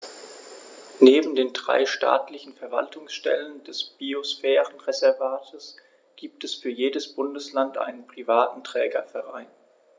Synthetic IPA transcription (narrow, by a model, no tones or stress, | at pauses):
neːbm̩deːndʁa̰ɪʃta̰ːtlɪçn̩fɛɐva̰ltʰʊŋsʃtɛ̰ləndɛsb̥iosfɛːʁənʁezɛɐvaːtʰəs | ɡ̥iːp̚tɛsfyːɐjeːdəsb̥ʊndəslantʔa̰ɪnənpʁ̥ivaːtn̩tʁ̥ɛːɡɐfɛɐʁaɪn